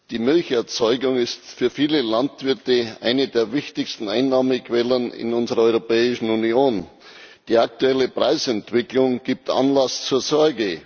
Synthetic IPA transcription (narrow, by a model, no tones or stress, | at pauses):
d̥iːmʏlçɛɐt͡sɔʏɡʊŋɪstfyːɐfiːləlantv̥ɪɐtəʔa̰ɪnədeːɐvɪçtɪçstn̩aɪnːaːməkʰv̥ɛlənɪ̰nʊnzəʁɐɔʏʁopɛːɪʃn̩unioːn | d̥iːak̚tuɛləpʁ̥aɪsɛntv̥ɪklʊŋɡ̥iːp̚tʔa̰nlast͡suːɐzɔɐɡə